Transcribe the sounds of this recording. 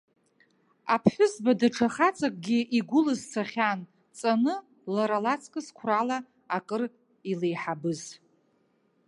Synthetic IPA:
a̰pʰħʷʊzbadaʈ͡ʂʰaχat͡sʼakʼɡʲiʔiɡʷʊlɨzt͡sʰaχʲan | t͡sʼanɨ | laɾalat͡sʰʼkʼɨskʷʰrala | akʼɨr | ilejħabɨz

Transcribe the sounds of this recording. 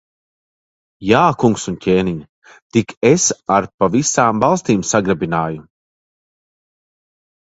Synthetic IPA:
jaːkuŋksuncʲeːniɲ | t̪ikesaɾpavisaːmvalˠst̪iːmsaɡɾabinaːju

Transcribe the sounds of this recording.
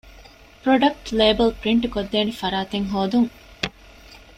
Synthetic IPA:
pɾoɖɐk̚ʈleːbɐlpɾiɳʈukod̪ːeːnifɐɾaːt̪eŋɦoːd̪uŋ

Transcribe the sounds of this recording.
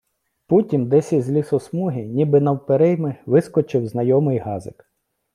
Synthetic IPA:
putʲimd̪ɛsʲizʲlʲisɔsmuɦʲinʲibɪnɐwpeɾɪjmɪʋɪskɔt͡ʃɪwznɐjɔmɪjɦɑzɪk

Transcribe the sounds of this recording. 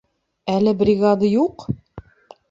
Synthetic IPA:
ælɘbrʲiɡad̪ajuq

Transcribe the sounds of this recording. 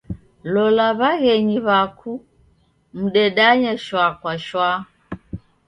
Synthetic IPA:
lɔlaβaɣɛɲiβakʰu | m̩ɗɛɗaɲɛʃwakwaʃwa

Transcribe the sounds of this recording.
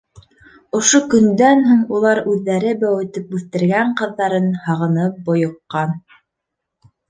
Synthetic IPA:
ŏʃokɵ̆nd̪ænɦuɴulˠɑɾʉðːæɾɘbæwɘ̆t̪ɘp̚ʉθt̪ɘ̆ɾɡæɴqɤ̆ðːɑɾɤnhɑʁɤ̆nɤp̚bŏjŏqːɑn

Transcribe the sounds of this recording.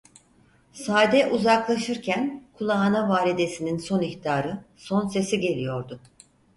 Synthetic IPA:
saːd̪ɛʔuzaklˠaʃɯɾcʰænkʰulˠaːnavaːlʲid̪e̞sininso̞niçt̪aːɾɯso̞nse̞siɟe̞lʲijo̞ɾd̪ʊ

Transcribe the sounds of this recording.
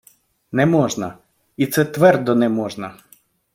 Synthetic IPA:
nɛmɔʒnɐ | it̪sɛt̪ʋɛrd̪ɔnɛmɔʒnɐ

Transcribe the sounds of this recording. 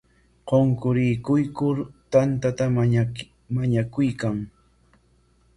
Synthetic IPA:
qoŋkʊɾɪkʊjkʊɾt̪ant̪at̪a | maɲakʊjkaŋ

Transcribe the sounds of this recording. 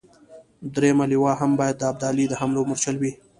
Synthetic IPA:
d̪ɾemaliwɑɦambɑjad̪ːəab̚d̪ɑlid̪əɦamlomʊɾt͡ʃalwi

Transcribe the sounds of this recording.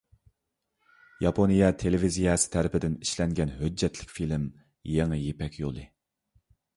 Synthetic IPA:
jɑpʰonijɑt̪ʰelevizijɑsɪ̥t̪ʰæɾɪpɪd̪ɪniʃlɛŋɡʲɛnɦød͡ʒːɛt̪ʰlɪ̥kʲfilɪm | jeŋɨjepɛkʲʰjolˠɨ

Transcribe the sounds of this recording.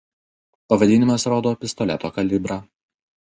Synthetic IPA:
pɐʋɐd̪ʲɪːnʲɪmɐsɾoːd̪oːpʲɪst̪ɔlʲɛ̰t̪oːkɐlʲɪbɾɑː

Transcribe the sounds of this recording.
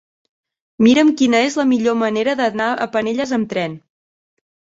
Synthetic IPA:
miɾəmkinəezləmiʎoməneɾəðənaə̰pəneʎəzəmt̪ɾɛn

